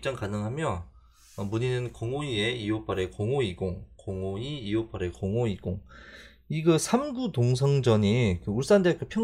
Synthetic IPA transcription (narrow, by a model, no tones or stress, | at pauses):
t͡ɕ͈aŋkanɯŋɦamjʌ | ʌmuɲinɯnkoŋoieijop͈ʰaɾekoŋoiɡoŋkoŋoiːjopʰaɾe̞koŋoiɡ̥oŋ | iɡɯsʰamɡutoŋs̬ʰʌŋd͡ʑʌɲikɯuɭs͈andek͈ɯpʰjʌ